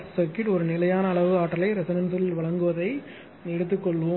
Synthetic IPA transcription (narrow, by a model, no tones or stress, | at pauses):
sɐɾkɪʈɔɾɯnɪlɐjaːnɐːɭɐʋɯaːʈːɐlɐɪɾɛsɐnɐnsɪlʋɐɭɐŋɡɯʋɐðɐɪ | ɛɽɯt̪ːɯkːɔɭːʋʊ